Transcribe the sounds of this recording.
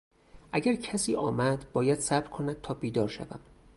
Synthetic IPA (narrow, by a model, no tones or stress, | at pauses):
ʔæɟæɾcʰæsiːʔɒːmæd̪bɒːjæd̪sæbɾkʰo̞næd̪̥̚t̪ʰɒːbiːd̪ɒːɾʃæ̰væ̰m